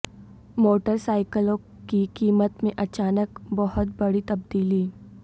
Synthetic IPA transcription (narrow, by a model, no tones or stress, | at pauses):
moːʈəɾsaːɪkəlõ | kikiːmət̪mẽʔɐt͡ʃaːnəkbɐɦʊt̪bɐɽit̪ɐb̚d̪iːliː